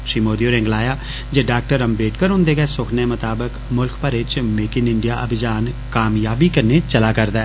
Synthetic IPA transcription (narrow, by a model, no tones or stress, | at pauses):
ʃɾiːmoːd̪ioːɾẽːŋɡlaːja | d͡ʒeɖaːk̚ʈəɾɐmbeːʈʰkəɾɦʊ̃nd̪eɡɐsʊkʰnemɐt̪aːbəkmʊlkʰpɐɾet͡ʃmeːkɪnɪ̃ɳɖijaʔɐ̰bʱɪd͡ʒaːnkaːmjaːbikɐɾnet͡ʃɐlakɐɾd̪ɛː